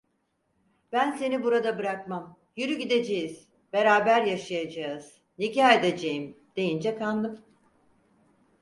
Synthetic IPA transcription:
b̥ænse̞nibuɾad̪abɯɾakmam | jyɾyɟid̪ed͡ʒe̞jiz̥ | b̥e̞ɾaːbæɾjaʃajad͡ʒaz̥ | nicaːed̪ed͡ʒejim | d̪̥e̞jind͡ʒɛkʰanlˠɯm

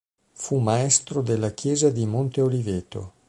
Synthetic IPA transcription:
fumaɛst̪ɾod̪elːakjɛːzad̪imont̪eoliveːt̪o̰

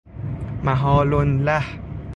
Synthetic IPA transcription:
maɦɔːlonlah

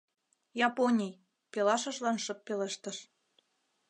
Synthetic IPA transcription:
jɑponʲij | pelɑʃɤ̆ʃlɑnʃɤ̆pːeleʃt̪ə̆ʃ

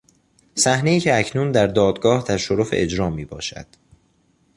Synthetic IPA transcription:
sæhne̞iːcʰeæcʰnund̪æɾd̪ɒːd̪ɡɒːht̪ʰæʃoɾofḛʔed͡ʒɾɒːmiːbɒ̰ːʃæ̰d̪̥

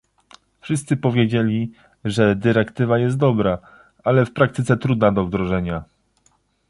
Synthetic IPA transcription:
fʂɘst̪sɘpɔvʲjed͡ʑelʲi | ʐɛd̪ɘɾɛkt̪ɘvajɛst̪d̪ɔbɾa | alɛfpɾak̚t̪ɘt̪sɛt̪ɾud̪nad̪ɔvd̪ɾɔʐɛɲa

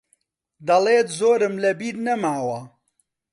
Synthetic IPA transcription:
d̪ɐleːt̪zoːɾɨmlɐbiːɾnɐmaːwɐ

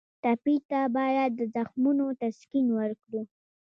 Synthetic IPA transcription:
t̪apit̪abɑjad̪ːəzaxmunot̪askinwəɾkɽu

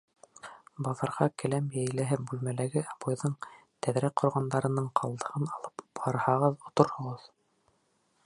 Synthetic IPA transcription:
bɑðɑɾʁɑkɘ̆læmjæjlæɦɘbʉlmælæɡɘʔɑbŏjðɤɴ | t̪æðɾæk̚qʰŏɾʁɑnd̪ɑɾɤ̆nɤɴqʰɑlˠd̪ɤ̆ʁɤnɑlˠɤpbɑɾɑhɑʁɤðŏt̪oɾhŏʁɤð

